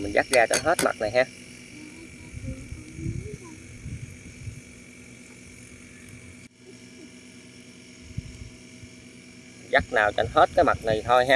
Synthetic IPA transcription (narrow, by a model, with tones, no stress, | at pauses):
mï˨˩ŋ̟za˦˥k̚ɣaː˧t͡ɕɔ˧nɦe˦˥t̚ma̰˨˩t̚na˨˩jɦaː˧˨˩ | za˦˥k̚naː˨˩wt͡ɕɔ˧nɦe˦˥t̚kaː˨˦jma˨˩t̚na˨˩jt̪ʰo˧jɦaː˧